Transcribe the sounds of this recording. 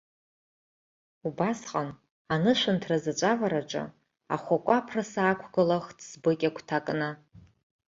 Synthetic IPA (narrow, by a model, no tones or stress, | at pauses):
ubasqʼan | anɨʃʷantʰrazat͡ʃʷʼavaɾaʈ͡ʂʼa̰ | a̰χʷakʷʼapʰrasaːkʷʰɡɨlaχtʰz̥bɨkʲʼakʷʰtʰakʼna